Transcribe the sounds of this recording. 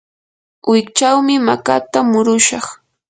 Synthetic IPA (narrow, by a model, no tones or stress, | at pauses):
wɪkt͡ʃawmɪmakat̪amʊɾʊʃɑχ